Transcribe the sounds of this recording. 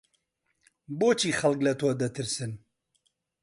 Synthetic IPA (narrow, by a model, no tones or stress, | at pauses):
boːt͡ʃʰiːxɐlklɐt̪ʰwɔːd̪ɐt̪ʰɨɾsɨn